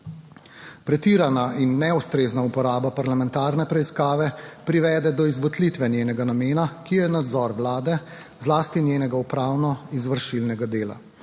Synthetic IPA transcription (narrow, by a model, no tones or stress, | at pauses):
pɾɛt̪iːɾanaʔinːɛust̪ɾeːznaupɔɾaːbapaɾlamɛnt̪aːɾnɛpɾɛiskaːʋɛpɾiʋɛːd̪ɛd̪ɔizʋɔt̪lit̪ʋɛnjeːnɛɡanameːnakijɛnad̪zɔɾʋlaːd̪ɛ | zlaːst̪injeːnɛɡaupɾaːwnɔizʋəɾʃilnɛɡad̪eːla̰